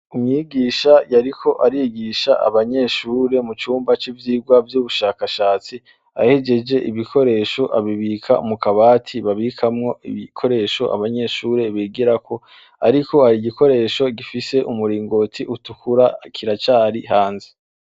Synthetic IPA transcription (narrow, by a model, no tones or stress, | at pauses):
umŋiːɡiːʃajaɾikʰo̞ʔaɾiɡiʃaʔa̰βaɲe̞ʃuːɾe̞mut͡ʃuːmbat͡ʃivjiːɡwavjuːβuʃaːkaʃaːt͡si | a̰hed͡ʒe̞d͡ʒe̞ʔiβikʰo̞ɾe̞ʃo̞ʔa̰βiβiːkʰaumukaβaːtʰiβaβikʰamŋo̞ʔiβikʰo̞ɾe̞ːʃo̞ʔa̰βaɲe̞ʃuːɾe̞βiɡiɾakʰo̞ | aɾiko̞haɾiɡiko̞ɾe̞ːʃo̞ɡifise̞ʔumuɾiːŋɡo̞tʰiʔutukuɾakʰiɾat͡ʃaːɾiɦaːnze